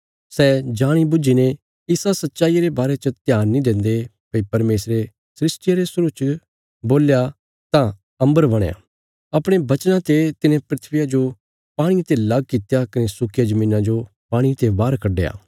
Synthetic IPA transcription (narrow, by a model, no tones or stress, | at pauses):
sɛd͡ʒaːɽ̃ibʊd͡ʒinẽ | ɪsasɐtːʃaːijɾebaːɾet͡ʃət̪jaːnːĩd̪ẽːnd̪e | pɐipɐɾmeːsɾe | sɾɪsʈɪjaɾesʊɾut͡ʃ | boːlja | t̪ã | ɐ̃mbəɾbɐɽ̃ja̰ː | ɐpɽ̃ebɐt͡ʃnãt̪et̪ɪnẽpɾɪt̪ʰʋɪjad͡ʒo | paːɽ̃it̪elɐɡkɪt̪jakɪnesʊkʰɪjad͡ʒɐmĩːnãd͡ʒo | paːɽ̃it̪ebaːɾkʰɐɖːḛa̰ː